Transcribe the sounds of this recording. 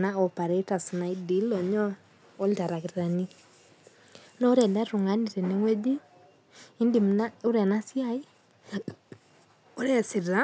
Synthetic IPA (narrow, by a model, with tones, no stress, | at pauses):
na˦ɔ˨pa˨ɾɛ˨˦ta˨sna˨i˦di˨˦lɔ˨ɲɔ˦ | ɔ˦lta˨ɾa˨kɪ˨ɾɾa˨ni˦ | nɔ˦ɾɛ˨nda˦ɾu˨ŋa˨˦ni˨ɾɛ˨ne˨˦ŋwɛ˦di˦ | ɪ˦ndi˨m˨na˦u˦ɾɛ˨na˦si˦a˦i˦ | o˦ɾɛ˨sɪ˨ɾa˦